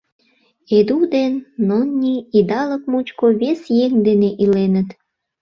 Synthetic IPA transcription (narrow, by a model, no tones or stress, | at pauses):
ed̪ud̪enːonːʲiid̪ɑlək̚mut͡ɕkoβesjeŋd̪eneʔilenət̪